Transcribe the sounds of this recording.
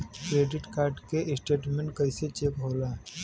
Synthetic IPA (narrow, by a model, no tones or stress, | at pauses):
kɾeːɖɪʈkaːɾɖkeʔɪsʈeːʈmẽɳʈkəɪset͡ʃekɦoːla